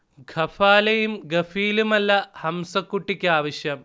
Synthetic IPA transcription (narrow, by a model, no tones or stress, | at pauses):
ɡʱɐfaːlɐjumɡɐfiːlumɐlːɐhɐmsɐkːuʈːikʲːaːʋɐɕjɐm